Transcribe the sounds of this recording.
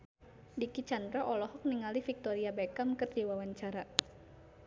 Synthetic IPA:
dikit͡ʃand̪ɾaʔɔlɔhɔk̚niŋalifik̚t̪ɔɾiabɛkamkɨrdiwawaɲt͡ʃaɾa

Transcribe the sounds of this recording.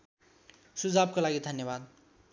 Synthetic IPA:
sud͡zab̚kolaɡid̪ʱənjəβad̪

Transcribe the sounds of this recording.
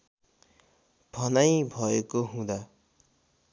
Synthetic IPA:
bʱʌnajbʱʌekoɦũd̪a

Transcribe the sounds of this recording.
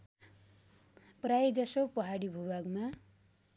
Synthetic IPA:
prajd͡zʌsopʌɦaɽibʱubaɡma

